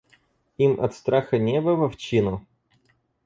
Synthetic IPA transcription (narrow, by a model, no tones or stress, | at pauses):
imɐ̰t̪st̪ɾaxɐnʲɛbɐvɐft͡ɕinʊ